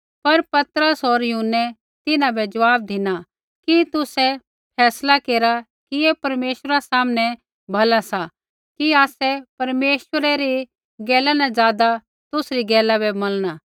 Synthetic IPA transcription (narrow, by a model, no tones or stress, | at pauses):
pɐɾpɐt̪əɾəsɦoɾjʊɦənːɛ | t̪ɪnãbɛd͡ʒɐʋaːb̚d̪ɪna | kit̪ʊsɛ | pʰɛːslakeːɾa | kijepɐɾmeːʃəɾasaːmnɛ | bʱɐlasa | kiaːsɛpɐɾmeːʃwəɾɛɾi | ɡɛːlanãd͡ʒaːd̪a | t̪ʊsɾiɡɛːlabɛmɐlnaː